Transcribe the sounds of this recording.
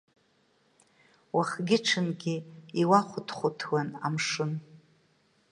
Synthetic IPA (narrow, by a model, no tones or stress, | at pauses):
waχɡʲɪʈ͡ʂʰɨnɡʲɪiwaχʷʊtʰχʷʊtʰwana̰mʂɨn